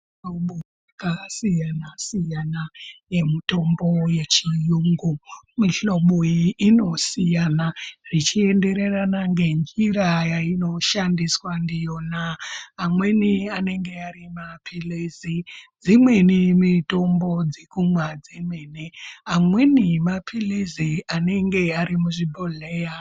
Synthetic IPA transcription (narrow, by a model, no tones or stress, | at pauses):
oɓojakasijanasijanaje̞mito̞mbo̞je̞t͡ʃijuːŋɡumiɬo̞ɓojiːno̞sijanarit͡ʃie̞nde̞ɾe̞ranaŋɡe̞ɲɡiɾajaino̞ʃandiswandijonaamwe̞niane̞ŋɡe̞aɾimapʰilizid͡zimwe̞nimito̞mbo̞d͡zekumwad͡zimweneamwe̞nimapʰilizianeŋɡe̞aɾimuʐibʱoleja